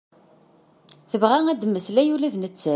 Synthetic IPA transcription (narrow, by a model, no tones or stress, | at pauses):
θəvʁæŋæd̪mːəslæjulæðnət͡sːæ